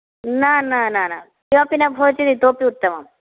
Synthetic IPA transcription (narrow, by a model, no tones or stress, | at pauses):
naːnanaːna̰ | joːpinɐbʱoːt͡ʃid̪it̪oːpiut̪ːɐma̰m